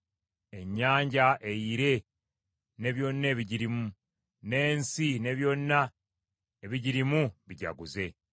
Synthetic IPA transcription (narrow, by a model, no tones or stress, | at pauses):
e̞ɲːaːɲɟaʔe̞jiɾe̞ | ne̞βjo̞nːe̞ːβiɟiɾimu | ne̞ːnsine̞βjo̞nːa | eβiɟiɾimuβiɟa̰ɡuze̞